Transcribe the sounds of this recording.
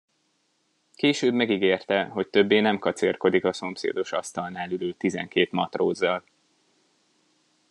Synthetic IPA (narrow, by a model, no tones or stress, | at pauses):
keːʃøːbmɛɡiɡeːrt̪ɛɦo̞c̚t̪ø̞bːeːnɛmkɒt̪serko̞d̪ikɒso̞msḛːd̪o̞ʃɒst̪ɒlnaːlyløːt̪izɛ̰ŋkeːt̪mɒt̪roːzːɒl